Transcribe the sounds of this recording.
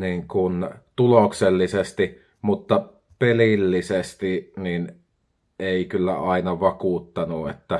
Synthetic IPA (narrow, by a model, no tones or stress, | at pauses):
niːŋkunt̪ulokselːisest̪i | mut̪ːɑ | pelilːisest̪inin | eˑikylːæ̰ɑˑinɑʋɑkuːt̪ːɑnuet̪ːæ